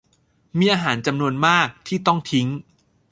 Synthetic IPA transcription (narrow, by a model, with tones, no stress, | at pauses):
miː˧ʔaː˧ɦaː˩˦nt͡ɕa˧mnu˧ənmaː˥˩k̚t̪ʰiː˥˩t̪ɔ˥˩ŋt̪ʰi˦˥ŋ